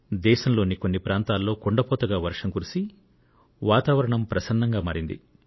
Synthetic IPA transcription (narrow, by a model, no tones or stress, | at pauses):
d̪ɛːʃɐmlo̞ːniko̞nːipɾaːnt̪aːlːo̞ːkoɳɖɐpɔːt̪ɐɡaːʋɐɾʂɐŋkuɾisi | ʋaːt̪aːʋɐɾɐɳɐmpɾɐsɐnːɐŋɡaːmaːɾind̪ḭ